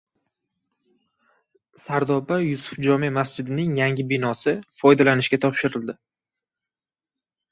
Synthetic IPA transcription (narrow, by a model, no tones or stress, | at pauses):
saɾd̪ɒbajʊsʊ̥fd͡ʒɒmemasd͡ʒɪd̪ɪnɪŋjaŋʲɪbɪnɒsɪfɒjd̪alanɪʃkʲat̪ʰɒpʃɪɾɪld̪ɪ